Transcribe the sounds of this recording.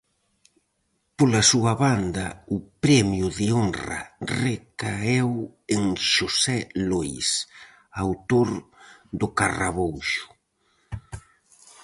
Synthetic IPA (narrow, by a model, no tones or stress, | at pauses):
polasuɐβand̪ɐʊpɾɛmjʊðɪoŋrɐ̰rekaeweŋʃosɛlojs | awt̪oɾd̪ʊkaraβowʃʊ̥